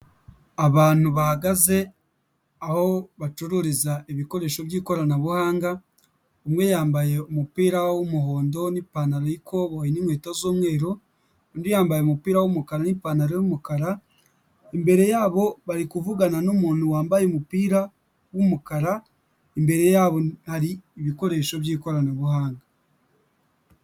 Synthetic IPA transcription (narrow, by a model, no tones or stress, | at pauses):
aβaːn̥huβahaɡaze̞ | aho̞βat͡ʃuɾuɾizaeβiko̞ɾe̞ːʃo̞βjiːko̞ɾanaβuhaːŋɡa | omwe̞jaːmbaje̞umupiːɾawomuho̞ːndo̞nipaːnaɾojikʰo̞βoinimweːtozoːmwe̞ːɾo | ondijaːmbajemupiːɾawomukaɾanipaːnaɾojomukaɾa | embe̞ɾe̞jaːβo̞βaɾikuvuɡananomuːntuwaːmbajemupiːɾa | wumukaɾa | embe̞ɾe̞jaːβo̞haɾiːβiko̞ɾe̞ʃo̞βjiːko̞ɾanaβuhaːŋɡa